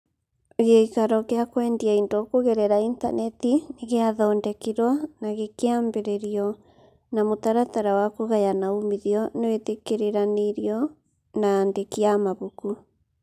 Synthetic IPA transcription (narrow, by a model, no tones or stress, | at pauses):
ɣeikaɾɔkeakwɛːndiaindokoɣɛɾɛɾainta̰nɛtineɣeaðɔːndɛkiɾwanaɣekeambeɾeɾiɔ | namotaɾataɾawakoɣajanaomiðjɔnewetekeɾeɾaneɾiɔ | naːndekiamaβuku